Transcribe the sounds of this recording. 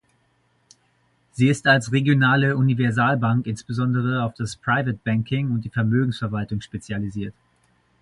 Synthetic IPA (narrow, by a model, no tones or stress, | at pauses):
z̥iːɪstalsʁeɡjonaːləunivɛɐzaːlbaŋkɪnsb̥əzɔndəʁ̞əaʊfd̥aspʁ̥aɪvət̚b̥ɛŋkʰɪŋʊntd̥iːfɛɐmøːɡŋ̩sfɛɐvaltʊŋʃpet͡sjaliziːɐt